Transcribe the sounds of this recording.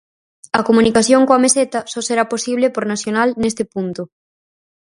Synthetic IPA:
ɐkomunikaθjoŋkoameset̪ɐsɔseɾaposiβ̞lepoɾnaθjonalnest̪ɪpunt̪ʊ

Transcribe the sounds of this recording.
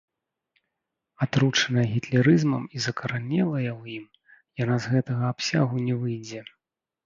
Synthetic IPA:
at̪ɾut͡ʂɐnɐjɐɣʲit̪lʲɛɾɨzmɐmizɐkɐɾanʲɛlˠɐjɐwjim | janazɣɛt̪ɐɣɐapsʲaɣunʲɛvɨjd͡zʲɛ

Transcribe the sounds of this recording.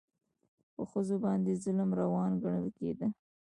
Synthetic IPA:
pəxəzobɑnd̪ezʊləmɾawɑnɡaɳəlkḛd̪ə

